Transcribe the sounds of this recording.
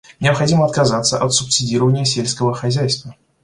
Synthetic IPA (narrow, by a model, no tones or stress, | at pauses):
nʲɪəpxɐdʲiməɐt̪kazat̪səʔɐt̪sʊpsʲɪdʲiɾəvənʲɪjəsʲelʲsʲkəvəxɐzʲæjst̪və